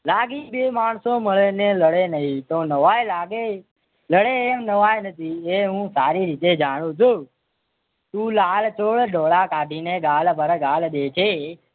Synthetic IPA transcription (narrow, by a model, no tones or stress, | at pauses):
laɡibemaɳ̃soməɭeneləɽenəɦĩt̪onəʋajlaɡe | ləɽeːmnəʋajnət̪ʰieɦũsaːɾiɾit̪ed͡ʒaɽ̃ũt͡ʃʰu | t̪ũːlalt͡ʃoːɭɖʱoːɭakaɖʱineɡaːlbəɾɡalɗ̪et͡ʃʰe